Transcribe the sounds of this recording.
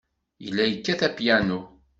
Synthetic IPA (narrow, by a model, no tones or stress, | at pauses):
jə̰lːæjəkːæθæpjænu